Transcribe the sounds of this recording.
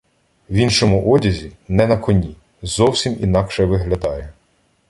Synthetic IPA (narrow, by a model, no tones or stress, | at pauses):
winʃɔmʊʔɔdʲɐzʲinɛnɐkɔnʲi | zɔwsʲimḭnɑkʃɛʋɪɦlʲɐd̪ɑjɛ